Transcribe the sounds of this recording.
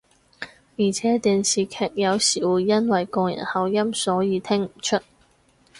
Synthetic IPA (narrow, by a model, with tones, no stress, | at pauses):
jiː˨˩t͡sʰɛː˨˥t̪iː˨nsiː˨kʰɛː˨˩k̚jɐ˨˧wsiː˨˩wuː˨˩jːɐ˥nwɐ˨jkɔː˧ŋjɐ̰˨˩nhɐ˨˧wjɐ˥msɔː˨˥jiː˨˧t̪ʰɪ˥ŋm̩˨˩t͡ʃʰɵ˥t̚